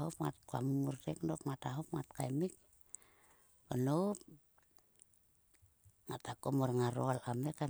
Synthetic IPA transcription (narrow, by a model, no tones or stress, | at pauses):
op̚ŋa̰t̪̚koa̰mumurteknokmat̪aɦop̚ŋat̪̚kaimik̚ | kənop̚ | ŋat̪akomorŋaɾoalameka